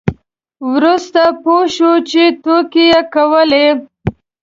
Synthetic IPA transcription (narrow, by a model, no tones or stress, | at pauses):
wɾust̪apoʃut͡ʃet̪okejekawəle